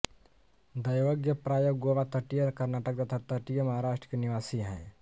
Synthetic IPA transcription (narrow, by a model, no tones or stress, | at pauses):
d̪əjʋəɡjəpɾaːjoɡɡoʋat̪əʈijəɾkɐɾnaːʈək̚d̪ɐt̪ʰat̪əʈijəmɐɦaɾaːʃʈɾəkeniʋaːsiɦɛ̰̃